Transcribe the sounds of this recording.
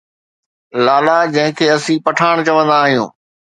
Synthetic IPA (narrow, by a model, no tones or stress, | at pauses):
laːlaːd͡ʑɐ̃ɦɪ̃kʰeːɐsĩːpɐʈʰaːɽ̃t͡ɕɐʋə̃nd̪aːɦijṵ̃ː